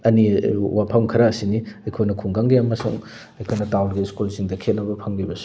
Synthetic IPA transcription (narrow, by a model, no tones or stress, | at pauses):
ɐniwapʰamkʰɐɾaːsiniɐjkʰojnɐkʰuŋɡaŋɡijamːɐsṵŋ | ɐjkʰojnɐtawlɡiskulsiŋdɐkʰet̚nɐbɐpʰaŋlibɐsu̥